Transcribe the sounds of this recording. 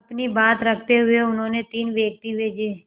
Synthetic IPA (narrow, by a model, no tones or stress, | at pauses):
ɐpnibaːt̪ɾɐkʰt̪eɦʊeʊnɦõːnet̪iːnʋeːk̚t̪iʋeːd͡ʒe